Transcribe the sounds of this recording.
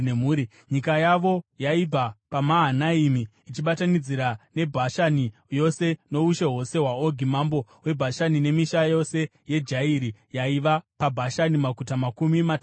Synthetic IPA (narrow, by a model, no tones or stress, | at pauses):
emuːɾi | ɲikajaʋo̞jaib͡vapamaɦanaimiːt͡ʃiɓatanid͡ziɾane̞bʱaʃani | jo̞se̞no̞uʃe̞ɦo̞se̞ɦwaoɡʱimambo̞we̞bʱaʃanine̞miʃajo̞se̞ | je̞d͡ʒaiɾijaiʋapabʱaʃanimakutamakumima